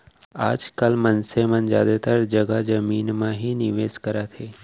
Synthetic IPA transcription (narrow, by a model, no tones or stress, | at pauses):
aːd͡ʒkəlmənsemənd͡ʒja̰ːd̪et̪əɾd͡ʒəɡad͡ʒəmiːnmãɦinɪʋeːskəɾat̪ʰeː